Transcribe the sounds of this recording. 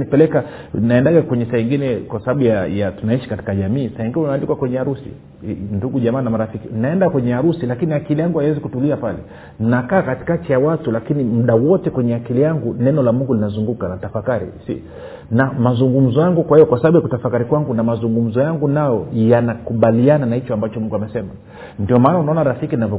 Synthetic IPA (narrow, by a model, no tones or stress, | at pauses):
nipɛlɛkanaɛndaɡakwɛɲɛsahɛŋɡinɛkwasaɓaɓujajatunaiʃi̥kati̥kaʄamiːsahɛŋɡinɛunaːlikwakwɛɲɛaɾusḭ | nduɡuʄamaːnamaɾafikinnaɛndakwɛɲɛaɾusilakiniakilijaŋɡuhawɛzikutuliapalɛ̰ | n̩nakaːkati̥katijawatulakinim̩ɗawɔtɛkwɛɲɛakilijaŋɡunɛnɔlamuŋɡulinazuŋɡukanatafakaɾḭsḭ | namazuŋɡum̩zɔjaŋɡukwahijɔkwasaɓaɓujakutafakaɾikwaŋɡunamazuŋɡum̩zɔjaŋɡunajɔjanakuɓaliananahit͡ʃɔambat͡ʃɔmuŋɡuamɛsɛma | ndiɔmaːnaunaɔnaɾafikininavɔ